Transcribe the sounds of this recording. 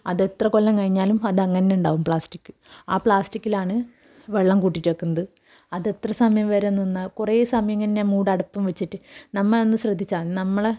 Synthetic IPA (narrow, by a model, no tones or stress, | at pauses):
ɐðe̞t̪rɐkolːɐmkɐɻiɲːaːlumɐðɐŋːɐneeuɳɖaːʋumpɭaːsʈikːɨ̥ | aːpɭaːsʈikʲːilaːɳɨ | ʋeɭːɐmkuːʈːitːɐːkːunːɐðɨ | ɐðe̞t̪rɐsɐmɐjɐmʋɐɾenːunːakureːsɐmɐjɐŋːɐnːemuːɽɐɽɐpːɐmʋet͡ɕːiʈːɨnɐmːɐɭo̞nːɨɕrɐd̪ʱːit͡ɕːaːnɐmːɐɭe